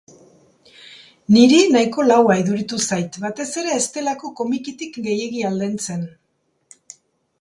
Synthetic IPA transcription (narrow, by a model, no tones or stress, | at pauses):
niɾinajko̞lawaiðuɾit̪usajt̪bat̪e̞se̞ɾe̞ːst̪e̞lako̞ko̞mikit̪ikɡe̞je̞ɣiald̪ent͡se̞n